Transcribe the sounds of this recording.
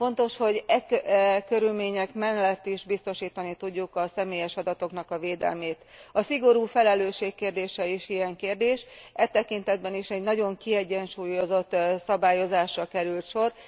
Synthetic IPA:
fo̞nt̪o̞ʃho̞ɟɛkɛkøɾylmeːɲɛkmɛnlɛt̪ːiʒbist̪o̞ʃiːt̪ɒnit̪uɟːukɒsɛmeːjɛʃɒd̪ɒt̪o̞knɒkɒveːd̪ɛ̰lmeːt̪ | ɒsiɡo̞ɾuːfɛlɛløːʃeːkːeːrd̪eːʃɛiʃijɛŋkeːrd̪eːʃɛt̪ːɛkint̪ɛd̪̚bɛniʃɛɟnɒɟo̞ŋkiɛɟːɛnʃuːjo̞zo̞t̪ːsɒbaːjo̞zaːʃrɒkɛɾylt̪ʃo̞r

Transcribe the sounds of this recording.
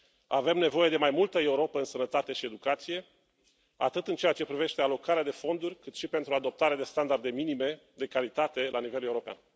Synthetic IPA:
ave̞mne̞vo̞je̞d̪e̞majmult̪əe̞uɾo̞pəɨnsənət̪at̪e̞ʃie̞d̪ukat̪sije̞ | a̰t̪ɨt̪ɨnt͡ʃeat͡ʃe̞pɾive̞ʃt̪e̞alo̞kaɾead̪e̞fo̞nd̪urʲkɨt̪ʃipe̞nt̪ɾuad̪o̞p̚t̪aɾead̪e̞st̪and̪ard̪e̞minime̞d̪e̞kalit̪at̪e̞lʔanive̞le̞uɾo̞pea̰n

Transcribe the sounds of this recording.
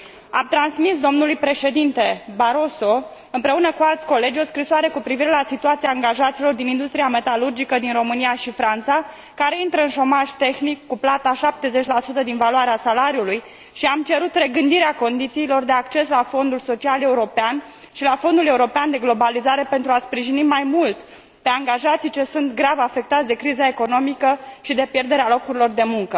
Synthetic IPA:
amt̪ɾansmis̬d̪o̞mnulujpɾe̞ʃe̞d̪int̪e̞baɾo̞so̞ | ɨmpɾe̞unəkualt̪sʲko̞le̞d͡ʒʲo̞skɾisoaɾe̞kupɾiviɾe̞lasit̪uat̪siaaŋɡaʒat̪silo̞rd̪inind̪ust̪ɾiame̞t̪alurd͡ʒikəd̪inro̞mɨniaʃifɾant̪sa | kaɾe̞int̪ɾəɨnʃo̞maʒt̪e̞xnikːuplat̪aʃap̚t̪e̞zet͡ʃʲlasut̪əd̪invalwaɾeasalaɾiuluj | ʃiamt͡ʃe̞ɾut̪re̞ɡɨnd̪iɾeako̞nd̪it̪siːlo̞rd̪e̞akt͡ʃe̞slafo̞nd̪ulso̞t͡ʃiale̞uɾo̞pean | ʃilafo̞nd̪uleuɾo̞peand̪e̞ɡlo̞balizaɾe̞pent̪ɾuaspɾiʒinimajmult̪ | pe̞aŋɡaʒat̪sijt͡ʃe̞sunt̪ɡɾavafe̞k̚t̪at̪sʲd̪e̞kɾizae̞ko̞no̞mikəʃid̪e̞pje̞rd̪e̞ɾealo̞kuɾilo̞rd̪e̞muŋkə

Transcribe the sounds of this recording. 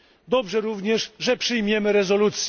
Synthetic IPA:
d̪ɔbʐɛɾuvɲɛʂʐɛpʂɘjmʲjɛmɘɾɛzɔlut̪sʲ

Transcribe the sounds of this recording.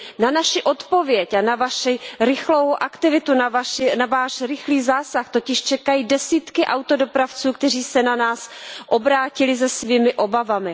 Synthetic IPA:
nanaʃɪʔo̞t̪po̞vjɛcanavaʃiɾɪxlowʔakt̪ɪvɪt̪unaaʃnavaːʃɾɪxliːzaːsaxt̪o̞cɪʃt͡ʃɛkajiːdɛsiːt̪kɪʔawt̪o̞dopɾaft͡suːk̚t̪ɛr̝iːsɛnanaːsʔo̞bɾaːcɪlɪzɛsviːmɪʔo̞bavamɪ

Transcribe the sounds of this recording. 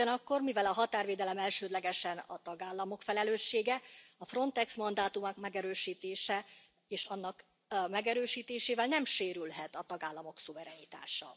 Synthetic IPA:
ɒnɒkːo̞rmivɛlɒɦɒt̪aːrveːd̪ɛlɛmɛlʃøːd̪lɛɡɛʃɛnɒ̰t̪ɒɡaːlːɒmo̞kfɛlɛløːʃːeːɡɛɒfro̞nt̪ɛksmɒnd̪aːt̪umɒkmɛɡɛɾøːʃiːt̪eːʃɛ | eːʃɒnːɒk | mɛɡɛɾøːʃiːt̪eːʃeːvɛlnɛmʃeːɾylɦɛt̪ɒt̪ɒɡaːlːɒmo̞ksuvɛɾɛnit̪a̰ːʃɒ̰

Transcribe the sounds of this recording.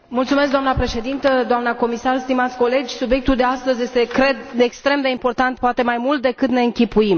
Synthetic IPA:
mult̪sumeskd̪oamnəpɾe̞ʃe̞d̪int̪əd̪oamnəko̞misarst̪imat̪sʲko̞le̞d͡ʒʲsubje̞k̚t̪uld̪e̞ast̪əzje̞st̪e̞kɾe̞d̪ekst̪ɾe̞md̪e̞impo̞rt̪ant̪̚poat̪e̞majmult̪̚d̪e̞kɨt̪ne̞ɨŋkʲipuim

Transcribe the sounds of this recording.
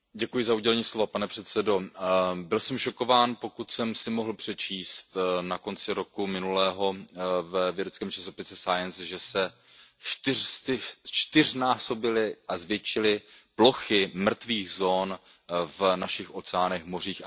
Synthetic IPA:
ɟɛkujɪzauɟɛlɛɲiːslo̞vapanɛpr̥ɛt̪sɛdo̞bɪlsɛmʃo̞ko̞vaːnpo̞kut̪sɛmsɪmo̞ɦl̩pr̝̥ɛt͡ʃʰiːst̪nako̞nt͡sɪɾo̞kumɪnulɛːɦo̞vɛvjɛdɛt͡skɛːmt͡ʃaso̞pɪsɛsajɛnsʒɛsɛ | t͡ʃt̪ɪrst̪ɪt͡ʃt̪ɪr̝naːso̞bɪlɪʔazvjɛt͡ʃɪlɪplo̞xɪmr̩t̪viːɣzo̞ːn | vnaʃɪxʔo̞t͡sɛaːnɛxmo̞r̝iːx

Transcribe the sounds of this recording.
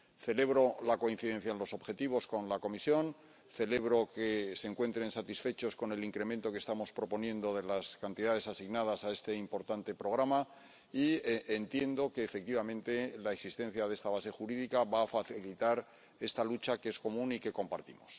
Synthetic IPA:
θe̞le̞βɾo̞lako̞in̟θiðe̞n̟θjaenlo̞so̞βxe̞t̪iβ̞o̞sko̞nlako̞misjo̞n | θe̞le̞βɾo̞ke̞se̞ŋkwe̞nt̪ɾe̞nsat̪isfe̞t͡ʃo̞sko̞ne̞liŋkɾe̞mẽnt̪o̞kest̪amo̞spɾo̞po̞njẽ̞nd̪o̞ðe̞laskant̪iðaðe̞sasiɣnað̞asae̞st̪e̞impo̞ɾt̪ant̪e̞pɾo̞ɣ̞ɾama | ient̪je̞nd̪o̞ke̞ːfek̚t̪iβamẽ̞nt̪e̞laeksist̪e̞n̟θjaðe̞st̪aβase̞xuɾiðikaβaːfaθilit̪aɾ | e̞st̪alut͡ʃakee̞sko̞mũnike̞ko̞mpaɾt̪ḭmos

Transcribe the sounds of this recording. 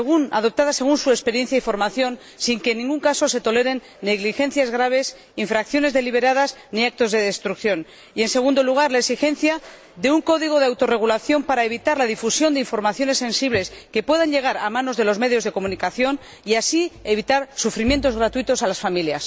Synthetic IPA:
eɣuna̰ðo̞p̚t̪aðase̞ɣ̞unsue̞spe̞ɾje̞n̟θjaifo̞ɾmaθjo̞n | siŋkenːĩŋɡuŋkaso̞se̞t̪o̞le̞ɾe̞nːeɣlixe̞n̟θjazɣɾaβ̞e̞s | iɱfɾakθjo̞ne̞zðe̞liβ̞e̞ɾaðazniak̚t̪o̞zðe̞ðe̞st̪ɾukθjo̞n | ie̞nse̞ɣ̞und̪o̞luɣ̞aɾlaeksixẽ̞n̟θja | ðe̞uŋko̞ðiɣ̞o̞ðawt̪o̞re̞ɣ̞ulaθjo̞mpaɾae̞βit̪aɾlaðifusjo̞nd̪eiɱfo̞ɾmaθjo̞ne̞sːẽ̞nsiβle̞ske̞pwe̞ðaɲʎe̞ɣ̞aɾamãno̞zðe̞lo̞zme̞ðjo̞zð̞e̞ko̞mũnikaθjo̞n | iasie̞β̞it̪aɾsufɾimje̞nt̪o̞zɣɾat̪uit̪o̞salasfamiljas

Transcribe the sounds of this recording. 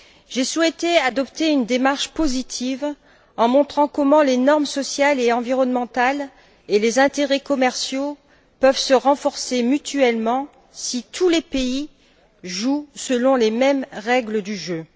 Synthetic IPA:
ʒeswɛt̪ead̪ɔpt̪eynd̪emaʁʃpozit̪ʰiv | ɑ̃mɔ̃t̪χɑ̃kɔmɑ̃lenɔʁmsɔsjaleɑ̃viʁɔnmɑ̃t̪al | elezɛ̃t̪eʁɛkɔmɛʁsjo | pœvsəʁɑ̃fɔʁsemyt̪yɛlmɑ̃ | sit̪ʰulepei | ʒusəlɔ̃lemɛmʁɛɡləd̪yʒø

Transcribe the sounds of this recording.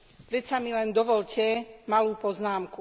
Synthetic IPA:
pɾɛt̪samilɛnd̪ɔʋɔʎcɛmaluːpɔznaːmku

